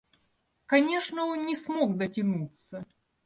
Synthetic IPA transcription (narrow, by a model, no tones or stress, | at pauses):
kɐnʲe̞ʂnəonnʲɪsmokd̪ətʲɪnut̪sə